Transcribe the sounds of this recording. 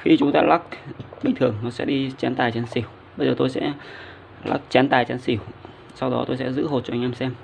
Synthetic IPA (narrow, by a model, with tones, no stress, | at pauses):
xi˧t͡ɕʊ˨˦ŋ͡mt̪a̰ː˧laː˦˥k̚ɓï˨˩ŋ̟t̪ʰɨ˨˩əŋnɔ˨˦sɛ̰˧˥ɗi˧t͡ɕa˨˦nt̪aː˨˩jt͡ɕa˨˦nsi˧˩w | ɓə˧zəː˨˩t̪o˧jsɛ̰˧˥ | la̰˦˥k̚t͡ɕa˨˦nt̪aː˨˩jt͡ɕa˨˦nsi˧˩w | sa˧wɗɔ˨˦t̪o˧jsɛ̰˧˥zɨ̰˧˥ɦo˨˩t̚t͡ɕɔ˧ŋʔaː˧msɛ˧m